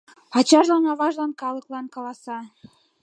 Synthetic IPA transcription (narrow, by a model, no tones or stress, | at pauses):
ɑt͡ɕɑɾlɑnɑβɑʒlɑnkɑlˠɤ̆klˠɑnkɑlɑsɑ